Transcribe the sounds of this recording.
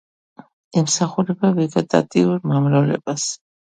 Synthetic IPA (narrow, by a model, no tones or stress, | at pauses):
ɛmsaχuɾɛbavɛɡɛt̪ʼa̰t̪ʼiuɾmamɾalɛ̰bas